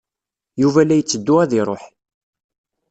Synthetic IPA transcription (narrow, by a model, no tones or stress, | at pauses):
juvælːæjət͡sːəd̪ːuæðiɾˤoħ